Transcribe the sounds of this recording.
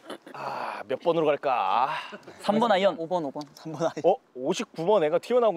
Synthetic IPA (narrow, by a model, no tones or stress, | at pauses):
amjʌp͈ʌnɯɾoɡaɭk͈a̰ | sʰambʌnajʌnobʌnobʌnsʰambʌnaʌoɕʰip̚k͈umʌneŋɡatʰiʌnaɡo